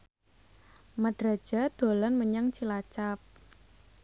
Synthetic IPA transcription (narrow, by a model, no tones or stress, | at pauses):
maɖ̥ɾa̤̥d͡ʒ̥a̤d̪̥o̤lɔnməɲaŋt͡ʃilat͡ʃap̚